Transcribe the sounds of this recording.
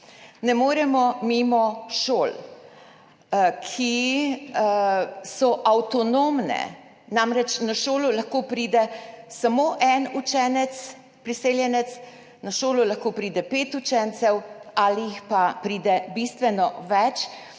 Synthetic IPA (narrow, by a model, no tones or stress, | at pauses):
nɛmoːɾɛmɔmimɔʃoːl | kʰi | sɔʔawt̪ɔnomnɛ̰ | namɾɛt͡ʃnaʃoːlulaxkoːpɾiːd̪ɛsamoːʔɛnut͡ʃɛːnɛt̪s | pɾiseːljɛnɛt̪s | naʃoːlulaxkoːpɾiːd̪ɛpeːt̪ut͡ʃɛnt̪sɛwalijixpapɾiːd̪ɛbist̪ʋɛnɔʋɛt͡ʃ